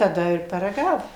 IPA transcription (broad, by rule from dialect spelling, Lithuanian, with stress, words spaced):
tɐˈdɐ ɪr pɐrɐˈɡɑːʋʊm